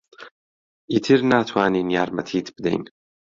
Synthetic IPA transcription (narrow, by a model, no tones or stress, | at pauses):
ʔiːt̪ʰɨɾnaːt̪ʰwaːniːnijaːɾmɐt̪ʰiːt̪bɨd̪ḛjn